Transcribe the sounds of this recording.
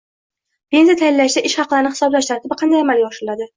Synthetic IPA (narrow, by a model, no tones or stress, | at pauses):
pʰe̞nzjat̪ʰajɪllaʃd̪aʔɪʃχɑqlˠaɾɪnɪχɪ̥sɒblaʃt̪ʰaɾt̪ʰɪbɪqʰɑnd̪ajamaljɒʃɪlad̪ɪ